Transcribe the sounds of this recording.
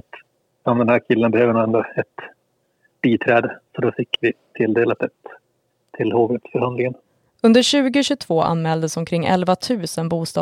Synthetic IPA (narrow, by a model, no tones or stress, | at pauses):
at̪ | ɔmd̪ɛnhæːɾkʰɪlːənbɛhøːvənʊɛnd̪oɛt̪ | b̥iːt̪ʰɾɛːd̪əsɔd̪ɔfɪkːvɪt̪ʰɪld̪eːlat̪̚ɛt̪ʰː | ɪlhoːvɾət̪sfœɾhand̪lɪŋən | ɵnd̪əɾɕʉ̟ːɡʊɕʉt̪ʰv̥oːʔa̰nmɛːld̪əsɔmkʰɾɪŋːʔɛ̰lvat̪ʰʉ̟ːsənbuːst̪ɑ̰ː